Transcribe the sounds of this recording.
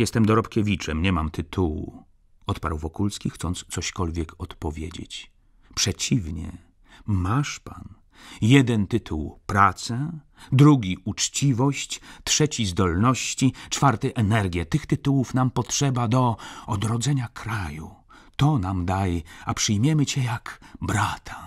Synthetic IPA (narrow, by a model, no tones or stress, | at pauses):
jɛst̪ɛmd̪ɔɾɔpkʲɛvʲit͡ʂɛmɲɛmamt̪ɘt̪ʰuwṵ | ɔt̪pa̰ɾwvɔkulskʲixt̪sɔnt̪st̪sɔɕkɔlvʲjɛkɔt̪pɔvʲjḛd͡ʑḛt͡ɕ | pʂɛt͡ɕivɲɛ̰ | maʂpa̰n | jɛd̪ɛnt̪ɘt̪ʰṵwpɾat̪sɛ | d̪ɾuɡʲiʔut͡ʂt͡ɕivɔɕt͡ɕt̪ʂɛt͡ɕizd̪ɔlnɔɕt͡ɕit͡ʂfaɾt̪ɛʔɛnɛɾɡʲjɛt̪ɘxt̪ɘt̪uwufnampɔtʂɛbad̪ɔɔd̪ɾɔd̪zɛɲakʰɾajṵ | t̪ɔnamd̪ajapʂɘjmʲjɛmɘt͡ɕɛjakbɾat̪ʰḁ